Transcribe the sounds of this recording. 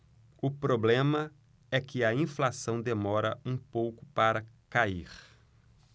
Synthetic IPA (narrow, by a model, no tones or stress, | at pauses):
ʊpɾoblẽmɐ | ɛkɪɐĩflasɐ̃w̃d̪emɔɾɐ̰ũpowkʊ̥paɾɐkaiɾ